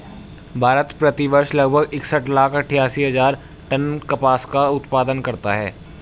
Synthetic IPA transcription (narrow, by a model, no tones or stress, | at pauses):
bʱaːɾət̪pɾɐt̪iʋəɾʃlɐɡbʱəɡɪksəʈlaːkʰɐʈʰːjaːsiɦɐzaːɾ | ʈənkɐpaːskaʊt̪paːd̪ənkɐɾt̪aɦɛ̰ː